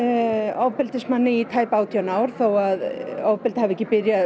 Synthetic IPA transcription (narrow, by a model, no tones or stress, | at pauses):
ɔwpɪlt̪ɪsmanːɪit̪ʰaːjpaawt̪ʰiːanaːwɾ̥θawaðɔwvpɪlt̪havʏɛcːɪpɪɾja